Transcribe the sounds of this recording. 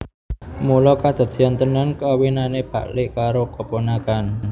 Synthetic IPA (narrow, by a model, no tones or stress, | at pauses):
mulɔkad̪̥ə̤t̪jɔnt̪ənankawinaneb̥ä̤̰ʔlɪʔkaɾokəponakan